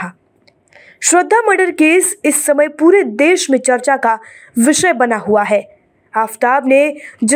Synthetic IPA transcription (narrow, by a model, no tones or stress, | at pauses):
aː | ʃɾəd̪ʱːaməɾɖəɾkeːsɪsːɐməjpuːɾed̪eːʃmẽt͡ʃɐɾt͡ʃakaʋɪʃəjbɐnaɦuaɦɛː | aːft̪aːbned͡ʒ